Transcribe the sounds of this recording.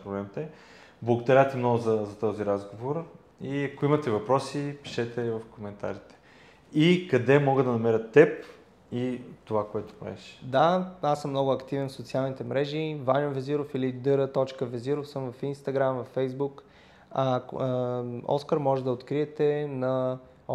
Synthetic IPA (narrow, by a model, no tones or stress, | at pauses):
pɾoblɛmit̪ɛ | blˠɐɡod̪ɐɾʲat̪ɛmnɔɡʊzɐzɐt̪ɔziɾazɡovoɾ | iɐkoimət̪ɛvɐpɾɔsipi̥ʃɛt̪ɛvɐfkomɛnt̪a̰ɾit̪ɛ̥ | ikɐd̪ɛmɔɡəd̪d̪ɐnɐmɛɾət̪ːɛp̚ | it̪ovakoɛt̪ʊ̥pɾa̰ɛʃd̪aasːəmːnɔɡʊɐkt̪ivɛnfsot̪sialˠnit̪ɛmɾɛʒivanʲovɛziɾofilid̪ɤɾət̪ɔt͡ʃkəvɛziɾofsɤmvɐfinst̪ɐɡɾamvɐfɛjzbuk | a | ɔ̰skəɾmɔʒɛd̪ɐot̪kɾiɛt̪ɛnɐ